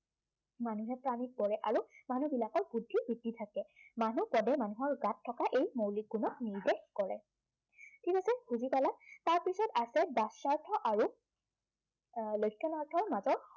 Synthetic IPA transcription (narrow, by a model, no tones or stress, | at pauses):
manuɦɛpɹamik̚bɔɹɛʔaɹumanubilakɔɹbudʱːibɹidːitʰakɛmanupɔdɛmanuɦɔɹɡatʰːɔkaʔejmowlik̚ɡunɔk̚niɹdexkɔlɛ̰ | tʰikasɛxuzipalataɹpisɔtasɛbasaɹtʰɔʔaɹu | lojkʰːɔnaɹtʰɔɹmazɔɹ